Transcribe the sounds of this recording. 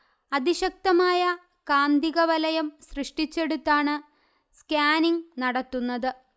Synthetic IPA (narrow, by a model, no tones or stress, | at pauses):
ɐðiɕɐk̚t̪ɐmaːjɐ | kaːnd̪iɣɐʋɐlɐjɐmɕrɨʂʈit͡ɕːe̞ɽut̪ːaːɳɨ | skaːniŋnɐɽɐt̪ːunːɐðɨ